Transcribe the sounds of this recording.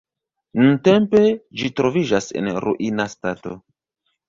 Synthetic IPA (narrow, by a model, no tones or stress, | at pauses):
nunte̞mpe̞d͡ʒitɾo̞vid͡ʒase̞̰nɾṵʔinastato̞̰